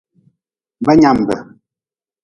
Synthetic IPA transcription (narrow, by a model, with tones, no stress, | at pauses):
bə˦ɲa˦˨m˨bə̰˨